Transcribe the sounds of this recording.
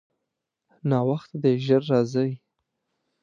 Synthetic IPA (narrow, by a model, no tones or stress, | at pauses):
nɑwaxt̪ad̪eʒəɾːɑzəj